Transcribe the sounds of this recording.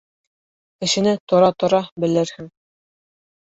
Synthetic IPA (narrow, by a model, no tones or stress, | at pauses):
kɘ̆ʃɘ̆nɘt̪ŏɾɑt̪ŏɾɑbɘ̆lɘɾhɘŋ